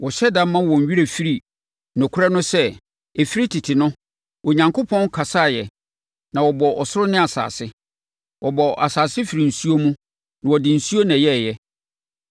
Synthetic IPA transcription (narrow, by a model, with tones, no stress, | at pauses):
wɔ˨ɕɛ˦dã˦mːã˦wɔ̃˨ɥi˦ɾe˨fi˦ɾi˨ | nɔ̃˨kʰʊ˦ɾa˦nʊ̃˦sɛ˦ | e˨fi˦ɾi˦tʰɪ˨tʰɪ˨nʊ̃˦ | o˨ɲã˨ŋkʰo˦pʰɔ̃˦n˦kʰa˨sa˦˨jɛ˨ | nã˨wɔ˨bɔ˨ʔɔ˨sʊ˦ɾʊ˦nɪ̃˦a˨sa̰ː˨sɪ˦ | wʔɔ˨bɔ˨ʔa˨saː˨sɪ˦fi˨ɾi˨n̩˨su˦o˦mũ˦ | nã˨wɔ˨dɪ˨n̩˨su˦o˦nã˨jɛ˦˨jɛ˦